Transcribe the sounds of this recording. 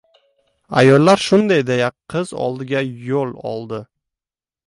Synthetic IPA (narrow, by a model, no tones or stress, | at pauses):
a̰jɒlːaɾʃʊnd̪ajd̪ejaqʰɨzɒ̰lˠd̪ɪɡʲajolˠɒ̰lˠd̪ɪ